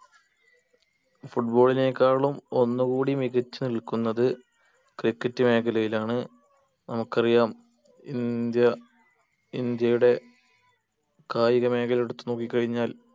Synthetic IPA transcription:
fuʈbo̞ːɭine̞ːkːaːɭumo̞nːuɣuːɽimiɣɐt͡ɕːɨniɭkunːɐðɨ | krikːɐtːɨme̞ːkɐlɐjilaːɳɨ | nɐmukːɐrijaːm | ḭnd̪jɐ | ind̪jɐjuɽe̞ | kaːjiɣɐme̞ːkɐleɽut̪ːuno̞ːkːikːɐɻiɲːaːl

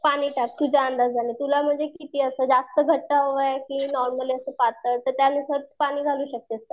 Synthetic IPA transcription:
paɽ̃iːʈak̚k̪ud͡ʑaənd̪ad͡zd͡zanit̪ulam̤əɳd͡zekit̪iəsəd͡zast̪əɡʱəʈːaɦoʋajkĩnɔɾməliːəsəpat̪ət̪əɾt̪janːisəɾpaɽ̃iːɡʱaluːɕək̚t̪eəst̪a

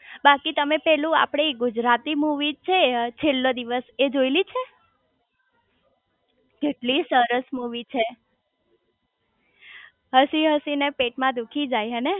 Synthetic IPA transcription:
bakit̪əmepɛlũa̰pɽ̃eɡud͡ʒɾat̪imuʋit͡ʃʰet͡ʃʰelːod̪iʋəsed͡ʒoilit͡ʃʰe | keʈlisəɾəsmuʋit͡ʃʰe | ɦəsiɦəsinepeʈmãd̪ukʰid͡ʒajɦəne

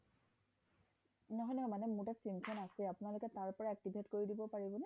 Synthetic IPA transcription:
nɔɦɔjnɛmanɛmuɹtasɹimkʰɔnasɛapʊnalʊkɛtaɹpɔɹaɛk̚tibʱetkoɹidibɔpaɹibɔnɛ

